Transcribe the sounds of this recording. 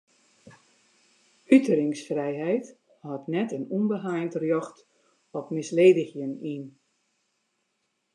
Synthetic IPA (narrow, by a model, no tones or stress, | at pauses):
ytəɾɪŋsfrɛjɦɛjt | hɔtnɛtənunbəɦajntrjɔxt | ɔpmɪsleːdəxjənin